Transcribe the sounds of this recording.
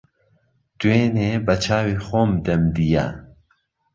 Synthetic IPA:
d̪̥uweːnebɐt͡ʃʰaːwiːxoːmd̪ɐmd̪ija̰

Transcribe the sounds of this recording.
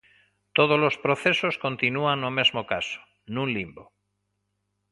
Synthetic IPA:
t̪oð̞ozlo̞spɾoθe̞sosko̞nt̪inuaŋːome̞zmokaso̥ | nũnlimbo

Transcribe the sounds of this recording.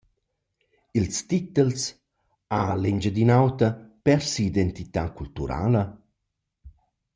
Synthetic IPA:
ilst̪it̪əls | alɛɲd͡ʒəd̪inawt̪ɐpɛɾsiːd̪ɛnt̪it̪akult̪uɾa̰ːlɐ

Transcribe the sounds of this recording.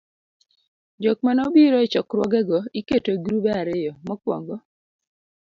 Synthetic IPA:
d͡ʒok̚manɔbiɾɔɛt͡ʃɔkɾwɔɡɛɡɔiketoɡɾubɛaɾɪjɔmɔkwɔ̰ŋɡɔ

